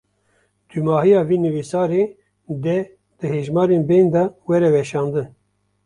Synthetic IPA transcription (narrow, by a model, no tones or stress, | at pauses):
d̪̥ymɑːhijɑːviːnɨwisɑːɾe | d̪ɛ | d̪̥ɨheːʒmɑːɾenbejnd̪ɑwɛɾɛwɛʃɑːnd̪ɨn